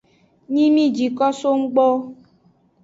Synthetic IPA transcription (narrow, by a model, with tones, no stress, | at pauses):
ɲĩ˦mĩ˦˨d͡ʒi˨kɔ˦so˦ŋ̩˦ɡ͡bɔ˦